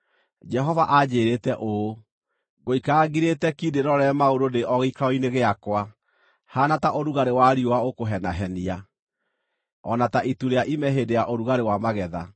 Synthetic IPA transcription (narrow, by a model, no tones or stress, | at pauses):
d͡ʒɛɦɔvaʔad͡ʑeːɾetɛʔo | ɣoikaɣiɾetɛkideɾɔɾɛmaoɾondeʔɔɣikaɔineɣeakwa | hanataʔoɾuɣaɾewaɾiowaokoɦɛnaɦɛnia | ɔ̰nataʔituɾeaʔimɛɦedeaʔoɾuɣaɾewamaɣɛða̰